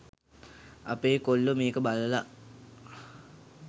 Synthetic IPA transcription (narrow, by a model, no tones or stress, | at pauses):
apeːkolːəmeːkəbaləla